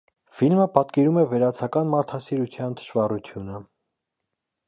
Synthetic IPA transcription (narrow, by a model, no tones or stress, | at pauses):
filməpɑt̪kɛɾumɛvɛɾɑt͡sʰɑkɑnmɑɾt̪ʰɑsiɾut͡sʰjɑnd̪ə̥ʃvɑrut͡sʰjunə